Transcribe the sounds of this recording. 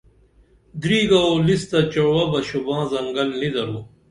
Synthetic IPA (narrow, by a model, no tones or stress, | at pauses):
d̪ɾiːɡaolist̪ɐt͡ɕɐɽwɐbɐɕubãːzɐŋɡɐlnid̪ɐɾu